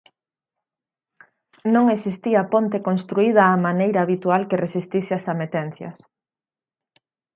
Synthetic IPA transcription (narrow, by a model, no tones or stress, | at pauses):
nõŋesist̪iɐpont̪ekonst̪ɾuið̞ɐːmanejɾaːβit̪ualkeresist̪isɪasamet̪ɛn̟θjɐ̰s